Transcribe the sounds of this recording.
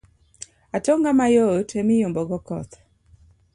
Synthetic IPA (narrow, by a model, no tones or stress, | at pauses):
atoŋɡamajotʰemɪjʊmbɔɡɔkɔ̰t̪